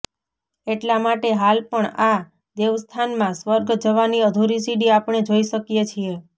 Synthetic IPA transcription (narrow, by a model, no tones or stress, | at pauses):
eʈlamaʈeɦalpəɳa | d̪eʋst̪ʰanmãsʋəɾɡd͡ʒəʋaniəd̪ʱoɾisiɖiapɳ̃ed͡ʒoiʃəkjet͡ʃʰie